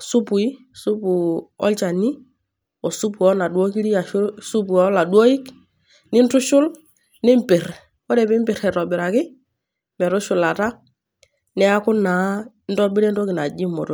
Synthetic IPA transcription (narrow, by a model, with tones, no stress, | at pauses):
su˦pu˨i˦ | su˦bu˨ɔ̰˦lt͡ʃa˨ni˦ | ɔ˨su˦pu˨ɔ˦na˨dwɔ˦ki˦ɾi˦a˨˦su˦bu˨ɔ˦la˨dwɔ˦i˦k | nɪ˦n˦tʊ˦ʃʊ˦l | nɪ˦mpɪ˨ɾ | wɔ˦ɾɛ˨bɪ˦m˦bɪ˨ɾɛ˨ɾɔ˨bɪ˨ɾa˨kɪ˦ | mɛ˨ɾʊ˦ʃʊ˨la˨ta˦ | nɛ˦a˦kʊ˦na˨˦ | n˦dɔ˦bɪ˦ɾɛ˦ndɔ˦kɪ˨na˨d͡ʒi˦mɔ˨tɔ˨